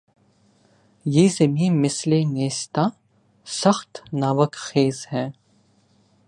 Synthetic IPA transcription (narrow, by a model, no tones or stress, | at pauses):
jezɛmiːmɪsleneːst̪ʰa | sɐχt̪ʰnavɐkʰχeːzhɛ